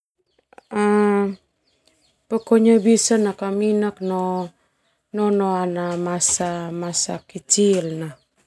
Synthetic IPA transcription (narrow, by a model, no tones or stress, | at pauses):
a | pəkoɲabisənakaminaknɔ | nɔnɔanamasamasakit͡ʃilna